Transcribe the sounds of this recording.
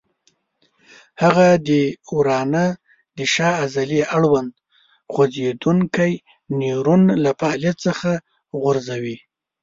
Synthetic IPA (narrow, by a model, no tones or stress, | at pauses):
haɣad̪əuɾɑna | d̪əʃɑːzaliʔaɽwand̪ | xozed̪uŋkaj | niɾunlafalijat̪t͡səxa | ɣʊɾzawi